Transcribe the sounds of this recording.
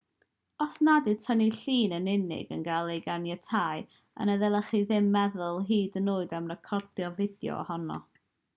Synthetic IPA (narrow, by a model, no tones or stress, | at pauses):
ɔsnadɨtʰəniɬiːnənɪnɪ̰ɡə̰nɡalˠejɡanjɛtʰaːj | a̰nəðɛlˠəχiðɪmːɛðʊlˠɦiːdənuːɨdamnəkʰɔrdjɔvɪdjɔ̰hɔnɔ̰